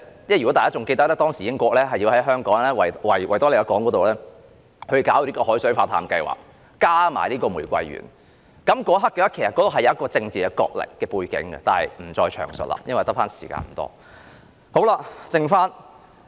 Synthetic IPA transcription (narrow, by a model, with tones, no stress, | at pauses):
jɛ˥˩jy˨kɔ˨˥t̪aː˨˩kaː˥t͡sʊ˨ŋke˧jt̪ɐ˥k̚lɛː˥t̪ɔː˥ŋsi˨˩ɪ˥ŋkʷɔː˧k̚lɛː˥ɦɐ˨ji˧whɐ˨˥jɦœː˥ŋkɔː˨˥ŋlɛː˥wɐ˨wɐ˨˩jwʔɐ˨˩jt̪ɔ˥le˨˩wɐ˨˧kɔː˨˥ŋkɔː˨˥t̪o˨wlɛː˥ | hʰɵ˨˧jkaː˨wliː˥kɔː˧ɦɔː˨˥jsɵ˨˥ɥfaː˧t̪ʰaː˨mkɐ˧jwa̰ː˨k̚ː | aː˥ma̰ː˨˩jliː˥kɔː˧mu˨˩jkʷɐ̰˧jɥy̰ː˨˩n | kɐ˨˥mkɔː˨˥ɦa˥kːɛ˧ɐ˥kʰe˨˩sɐ˨kɔ˧˥t̪o˨˩ɦɐ˨jɐ˨˦jɐ˥kɔː˧t͡sɪ˧ŋt͡siː˨kɛː˧kɔ̰ː˧k̚lɪ̰˨kːɛː˧puː˧jkɪ̰˨˥ŋɡɛ̰˧t̪aː˨˩hɐ̰˨jm̩˨˩t͡sɔː˧jt͡ʃʰœ̰ː˨˩ŋsə˨la̰ː˨jɐ˥nwɐ˨jt̪ɐ˥k̚faː˥nsi̥̰ː˨˩ka̰ː˧nm̩˨˩t̪ɔ̰ː˥ | ho˨˥wla˧t͡sɪ˧ŋfaː˥n